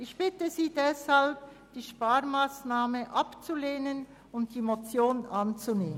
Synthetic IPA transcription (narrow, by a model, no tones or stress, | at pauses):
ʔɪçb̥ɪtəziːdɛshalp̚ | d̥iːʃpaːɾmaːsnaːməʔapt͡suleːnən | ʊntd̥iːmot͡sjoːnʔant͡suneːmə